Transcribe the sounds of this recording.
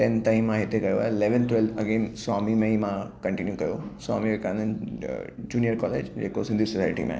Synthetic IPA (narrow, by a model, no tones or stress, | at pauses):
ʈẽnt̪ãĩmːãɦɪt̪ekɐjoa̰ːeɪleʋənt̪ʋelɐɡeːnswaːmimẽimãkɐ̃ɳʈinjukɐjoswa̰ːmiʋekann | d͡ʒuːnijəɾkɔːleːd͡ʒd͡ʒḛːkosɪ̃nd̪isɔsaːɪʈḭmḛ̃